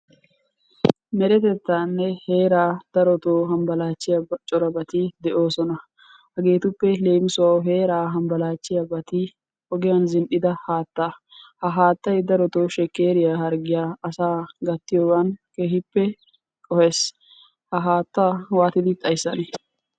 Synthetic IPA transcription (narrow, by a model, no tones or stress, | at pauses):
mɛɾɛt̪ɛt̪ːaːnːɛhe̞ːɾaːd̪̥ɐɾɔt̪oːɦɐmbɐlaːt͡ʃːɪjɐbt͡ʃʼɔɾɐbɐt̪ɪd̪ɛʔo̞ːsɔnɐ | hɐɡe̞ːt̪ʊpːɛle̞ːmɪsʊwaɦe̞ːɾaːɦɐmbɐlaːt͡ʃːɪjɐbɐt̪ɪ | hɔɡɪjɐnzɪnʔɪd̪ɐhaːt̪ːa | hɐɦaːt̪ːɐjd̪ɐɾɔt̪o̞ːʃɛkːe̞ːɾɪjahɐɾɡɪjaːɐsaːɡɐt̪ːɪjowɐnkeːhɪpːɛ | kʼɔheːs | hɐɦaːt̪ːaːwaːt̪ɪd̪ɪt̪ʼɐjsːɐnɛ